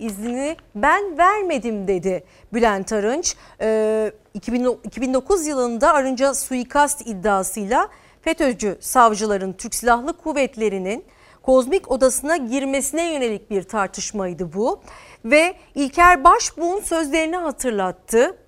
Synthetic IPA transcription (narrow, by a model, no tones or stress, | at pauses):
izlʲinibænvæɾme̞d̪imd̪e̞d̪ɪ | bylʲænt̪ʰaɾɯnt͡ʃː | icʰibinicʰibind̪o̞kʰuzjɯlˠɯnd̪aːɾɯnd͡ʒasujikʰast̪id̪ːaːsɯjlˠa | fet̪ʰød͡ʒysavd͡ʒɯlˠaɾɯnt̪ʰyɾcʲsilʲaɦlˠɯkʰuvɛt̪lʲe̞ɾinin | kʰo̞zmico̞d̪asɯnaɟiɾme̞sinɛjø̞ne̞lʲic̚biɾt̪ʰaɾt̪ʰɯʃmajd̪ɯbu | vɛ | ilʲcʰæɾbaʃbuːnsø̞zlʲe̞ɾiniɦat̪ʰɯɾlˠat̪ʰːɯ